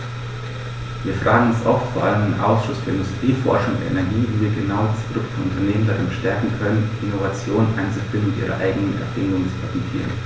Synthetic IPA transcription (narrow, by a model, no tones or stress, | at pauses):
viːɐfʁ̥aːɡŋ̩ɛsʔɔftfoːɐʔa̰ləmdenʔa̰ʊsʃʊsfyːɐɪ̃ndʊstʁ̥iːfɔ̰ɐʃʊŋʊ̰ndʔɛ̰nɛɐɡiːviːviːɐɡənaʊdaspʰodʊk̚tfoʔʊntɐneːməndaʁɪnʃtɛɐkŋ̩kʰœnənʔɪnovat͡sjoːnnʔa̰ɪnt͡sufb̥ɪnmɪtʔiːʁɐ̰ʔa̰ɪɡənənɛ̰ɐfɪndʊŋənt͡su̥pʰɛfɛntʰḭːʁə̰n